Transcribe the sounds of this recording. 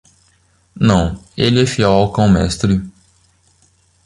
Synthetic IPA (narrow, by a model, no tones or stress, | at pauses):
nɐ̃w̃elɪɛfiawawkɐ̃w̃mɛ̰st̪ɾɪ